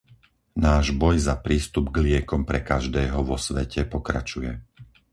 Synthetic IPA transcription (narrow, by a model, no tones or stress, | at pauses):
naːʒbɔjzapɾiːst̪ubɡlɪɛkɔmpɾɛkaʒd̪ɛːɦɔʋɔsʋɛcʰɛpɔkɾa̰t͡ʃujɛ